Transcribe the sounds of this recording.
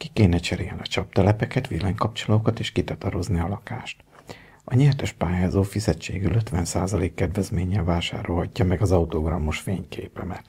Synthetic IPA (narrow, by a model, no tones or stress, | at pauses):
kikeːnɛt͡ʃɛɾejɛnɒt͡ʃɒpt̪ɛlɛpɛkɛt̪ʋilɛɲkɒp̚t͡ʃoloːkɒt̪eːʃkit̪ɒt̪ɒɾo̞zniɒlɒka̰ːʃt̪ | ʔɒɲɛrt̪øʃpaːjaːzoːfizɛt͡ʃḛːɡyløt̪ʋɛnsaːzɒleːkːɛd̪vɛzmeːɲɛlvaːʃa̰ːɾo̞lhɒcːɒmɛɡɒzɒut̪oɡrɒmːoʃfeːɲkʰeːpɛmɛt̪